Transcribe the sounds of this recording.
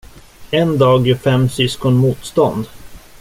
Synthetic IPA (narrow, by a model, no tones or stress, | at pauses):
ɛnd̪ɑːɡɪfɛmːsʏskɔnmuːt̪st̪ɔnd̪